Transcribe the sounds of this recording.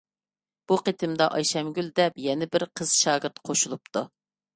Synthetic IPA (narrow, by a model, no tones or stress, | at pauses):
b̥uqet̪ʰɪmd̪ɑʔɑjʃɛmɡʲyld̪ɛpjɛnɪbɪɾqʰəz̥ʃɑːɡəɾt̪qʰoʃulˠupt̪ʰu